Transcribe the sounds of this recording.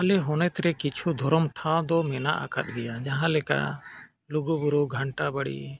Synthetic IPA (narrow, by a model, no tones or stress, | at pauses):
alɛɦɔnɛt̪ɾɛkit͡ʃʰud̪ʱɔɾɔmʈʰãd̪ɔmɛna̰ʔa̰ka̰t̪̚ˀbɛjad͡ʒaɦãlɛka̰ | luɡubuɾuɡʱəɳʈabəɽḭ